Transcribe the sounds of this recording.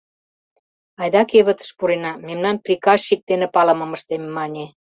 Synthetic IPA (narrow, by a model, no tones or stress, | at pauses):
ɑjd̪ɑkeβə̆t̪ə̥ʃpuɾenɑmemnɑnprʲikɑʃʃik̚t̪enepɑlə̆mə̆məʃt̪emːɑnʲe